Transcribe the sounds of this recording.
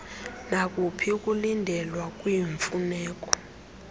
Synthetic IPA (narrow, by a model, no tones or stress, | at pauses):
nak̬ʼupʰik̬ʼulindʱɛlwak̬ʼwiɱfunɛːk̬ʼɔ̥